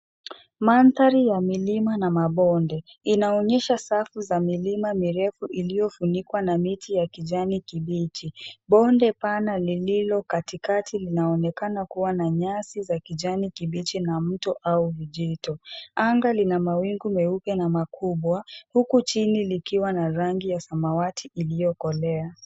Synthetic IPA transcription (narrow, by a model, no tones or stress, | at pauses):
mantaɾijamilimanamaɓɔndɛ | inaɔɲɛʃasafuzamilimamiɾɛfuʔilijɔfunikwanamitʰijakiʄanikiɓit͡ʃiɓɔndɛpanalililɔkatikatʰilinaɔnɛkanakuwanaɲasizakiʄanikiɓit͡ʃinam̩tɔʔauviʄitɔaŋɡalinamawiŋɡumɛupɛnamakʰuɓwahukut͡ʃinilikiwanaɾaŋɡijasamawatʰiʔilijɔkɔlɛa